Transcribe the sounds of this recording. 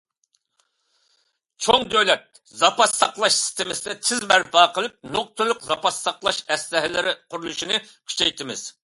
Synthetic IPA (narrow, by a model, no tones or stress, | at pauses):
t͡ʃʰoŋd̪øwlɛt̪̚ | zɑpɑsːɑqlˠɑʃsi̥st̪emɪsɪd̪ɛt̪ʰɪzbæɾpɑːqəlˠɨp̚noq̚t̪ʊlˠːʊqzɑpɑsːɑqlˠɑʃɛslɛɦɪlɪɾɪqʰʊɾulˠuʃinɨ | kʲʰy̥t͡ʃʰɛjt̪ʰɪmɪ̰z̥